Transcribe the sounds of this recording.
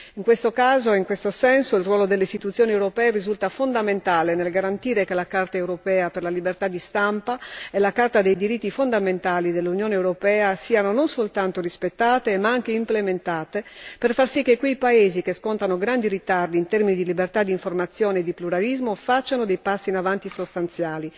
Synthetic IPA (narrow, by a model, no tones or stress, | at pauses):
iŋkwest̪okaːzoiŋkwest̪osɛnsoilrwɔːlod̪elːeist̪it̪ut̪sːjoːniewɾopɛːerizult̪afond̪ament̪aːlenelɡaɾant̪iːɾekelakart̪aewɾopɛːaperlalibert̪ad̪ːist̪ampaelakart̪ad̪ejd̪iɾit̪ːifond̪ament̪aːlid̪elːunjoːnewɾopɛːasiːanononsolt̪ant̪orispet̪ːaːt̪emaaŋk̟eimplement̪aːt̪eperfarsikːekwejpaeːzikeskont̪anoɡɾand̪iɾit̪ard̪iːnt̪ɛrminid̪ilibert̪ad̪iɱformat̪sːjoːneːd̪ːipluɾalizmofat͡ʃːanod̪ejpasːinavant̪isost̪ant̪sjaːli